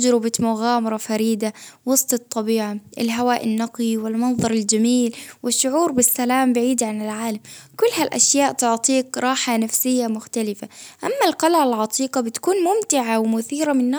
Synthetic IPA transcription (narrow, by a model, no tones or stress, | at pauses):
d͡ʒɾɪbɪt̪mʊɣaːmɑɾˤɑfaɾiːd̪awɑst̪ˤɨt̪ˤːɑbiːʕaɪ̰lɦawaːʔɪnːɑqiwɪlmɑnðˤɑɾˤɪld͡ʒamiːlwɪʃːʊʕuːɾbɪsːalaːmbɪʕiːd̪ʕanɪlʕaːlamkʊlːhalʔa̰ʃjaːʔt̪ʊʕt̪ˤiːqɾˤɑːħanafsɪjːamʊxt̪alɪfaʔamːalqɑlʕalʕɑt̪ˤiːqɑbɪt̪ḁkuːnmʊmt̪ɪʕawmʊθiːɾamɪnːa